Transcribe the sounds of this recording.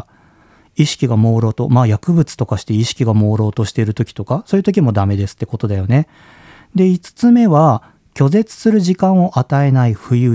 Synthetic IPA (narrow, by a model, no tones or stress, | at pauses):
iɕi̥kʲiɡamo̞ːɾo̞ːt̪o̞maːjakɯ̟bɯ̟t͡sɨ̥t̪o̞kaɕi̥t̪e̞iɕi̥kʲiɡamo̞ːɾo̞ːt̪o̞ɕi̥t̪e̞ɾɯ̟t̪o̞kʲi̥t̪o̞kaso̞ːjɯ̟t̪o̞kʲimo̞d̪ame̞d̪e̞sɨ̥t̪ːe̞ko̞t̪o̞d̪ajo̞ne̞ | d̪e̞it͡sɨ̥t͡sɨme̞βa | kʲo̞ze̞t͡sɨ̥sɨɾɯ̟ʑikãɰ̃o̞ʔat̪ae̞naiɸɯ̟jɯ̟ː